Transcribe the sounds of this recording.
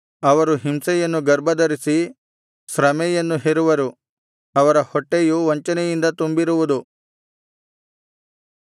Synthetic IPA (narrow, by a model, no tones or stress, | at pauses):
ɐʋɐɾuɦimsɛjɐnːuɡɐɾbɐd̪ɐɾisi | sɾɐmɛjɐnːuɦeɾuʋɐɾu | ɐʋɐɾɐhɔʈːejuʋɐɲt͡ʃɐnɛjind̪ɐt̪umbiɾuʋud̪u